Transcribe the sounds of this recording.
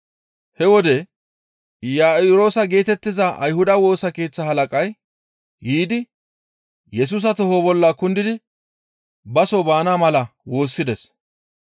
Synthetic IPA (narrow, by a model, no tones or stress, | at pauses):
hɛwɔd̪ɛ | jaːɪɾo̞ːsɐɡe̞ːt̪ɛt̪ːɪzɐʔɐ̰jhʊd̪ɐwo̞ːsɐke̞ːt͡sːɐɦɐlɐkʼɐj | hiːd̪ɪ | jɛs̬uːs̬ɐt̪ɔhoːbɔlːakʊnd̪ɪd̪ɪ | bɐsobaːnaːmɐlɐwo̞ːsːɪd̪ɛs